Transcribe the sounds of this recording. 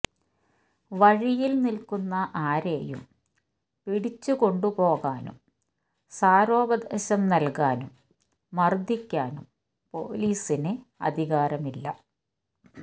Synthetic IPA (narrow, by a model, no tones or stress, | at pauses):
ʋɐɻijilnilkunːɐʔaːɾḛːjṵm | piɽit͡ɕːuko̞ɳɖupo̞ːɣaːnṵm | saːɾo̞ːbɐd̪ʱɐɕɐmnɐlkaːnumː | ɐrd̪ʱikʲːaːnum | po̞̰ːliːsineɐ̰d̪ʱiɣaːɾɐmilːɐ̰